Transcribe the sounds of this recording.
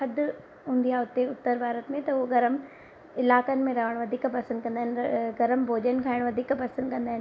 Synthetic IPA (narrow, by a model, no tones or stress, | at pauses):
ɐd̪ | ɦũːnd̪ijaʊt̪eʊt̪ːəɾbʱaːɾət̪mẽt̪ɐʊoɡɐɾəm | ɪlaːkənɪ̆mẽɾɐʋəɽ̃ʋɐd̪ʱiːkpɐsə̃nd̪̚kɐ̃nd̪aːɦɪnɡɐɾəmbʱoːd͡ʑənɪ̆kʰaːɪɽ̃ʋɐd̪ʱiːkpɐsə̃nd̪kɐ̃nd̪aːɪn